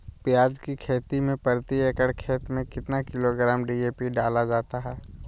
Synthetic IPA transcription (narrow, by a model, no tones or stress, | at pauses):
pɪjaːd͡ʒkikʰeːt̪imẽpəɾt̪ieːkəɽkʰeːt̪mẽkɪt̪nakɪloɡɾaːmɖiːeːpiɖaːlad͡ʒaːt̪aɦɛː